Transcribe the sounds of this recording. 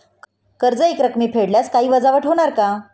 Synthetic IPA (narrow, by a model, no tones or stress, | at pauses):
kəɾd͡zəekɾəkmiːpʰeɽljaskaɦiːʋəd͡zaʋəʈɦoɽ̃aɾka